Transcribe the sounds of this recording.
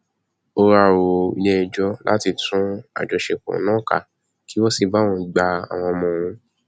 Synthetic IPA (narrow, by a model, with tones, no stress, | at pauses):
o˧ɾa˨wo˨ḭ˨nɛ̃˧˨d͡ʒɔ˦lʔa̰˦ti˧tʰũ˦a̰˨d͡ʒɔ˨ʃe˨kɔ̰̃˨˦nãː˦ka˦˨ | ki˨˦wɔ˦si˧ba˦˨wɔ̃˧˨ɡ͡ba˧a̰˨w̃ɔ̃˧mɔ̃˧˨wũ˧˦